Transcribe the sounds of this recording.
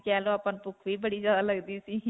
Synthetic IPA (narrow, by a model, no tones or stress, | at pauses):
t͡ʃɛːlõapənpʊkʰʋiːbəɽizjaːd̪aːləɡd̪iːsiː